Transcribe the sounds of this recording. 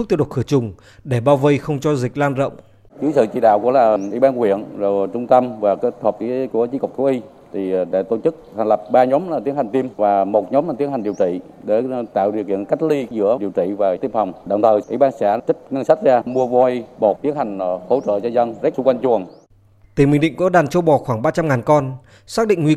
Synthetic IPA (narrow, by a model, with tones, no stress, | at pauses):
t̪i˧˩ɗo˨˩t̚xɨ˧˩t͡ɕʊ˨˩ŋ͡m | ɗe˧˩ɓaː˧wvə˧jxə˧wŋ͡mt͡ɕɔ˧zi˨˩k̟̚laː˧nzə̰˧˨wŋ͡m | zɨː˨˦jsɨ̰˧˨t͡ɕḭ˧˨ɗa̰ː˧˨wkṵ˧˥əlaː˨˩ʔḭ˧˩˦ɓaː˧nkwḭ˧˨ən˨˩t͡ɕʊ˧ŋ͡mt̪ə˧mvaː˨˩kːt̪ʰəː˨˩p̚t͡ɕi˧˦ku˧˩ət͡ɕi˧˦kk͡p̚t̪ʰu˨˦ʔi˧ | t̪ʰi˨˩ɗe˧˩t̪o˧˩t͡ɕɨ˦˥k̚t̪ʰa˨˩ŋ̟lə˨˩p̚ɓaː˧ɲɔ˨˦mlaː˨˩t̪i˨˦ənha˨˩ŋ̟t̪i˧mvaː˨˩mo˨˩t̚ɲɔ˨˦mlaː˨˩t̪i˨˦ənha˨˩ŋɗi˨˩əwt͡ɕḭ˧˨ | ɗe˧˩t̪a̰ː˧˨wɗi˨˩əkḭ˧˨ə˨nka˦˥jk̟̚li˧zɨ̰˧˥əɗi˨˩əwt͡ɕḭ˧˨vaː˨˩t̪i˧əmfa˨˩wŋ͡mɗə̰˨˧˨wŋ͡mt̪ʰəː˨˩jʔḭ˧˦ɓaː˧nsɛ̰˧˥t͡ɕə˦˥t̚ŋə˧nsa˦˥t̚zaː˧mu˧əvɔ˧i˧ɓo˨˩t̚t̪i˨˦ənha˨˩jŋ̟ho̰˧˦t͡ɕə̰ː˧˨t͡ɕɔ˧zə˧nzk̚su˧ŋ͡mkwa˧jŋ̟t͡ɕu˨˩ən | t̪i˧˩mhï̟˨˩ɗḭ˧˨ŋku˨˧˦ɗaː˨˩nt͡ɕo˧ɓɔ˨˩xwaː˧˩ŋɓaː˧t͡ɕa˧mŋaː˨˩nkɔ˧n | saː˦˥k̚ɗḭ̈˧˨ŋ̟ŋwi˧